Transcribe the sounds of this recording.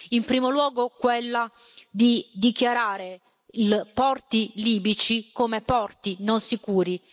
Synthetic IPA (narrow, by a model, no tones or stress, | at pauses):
impɾiːmolwɔːɡokwelːa | d̪id̪ikjaɾaːɾe | lpɔrt̪iliːbit͡ʃikomepɔrt̪inonsikuːɾi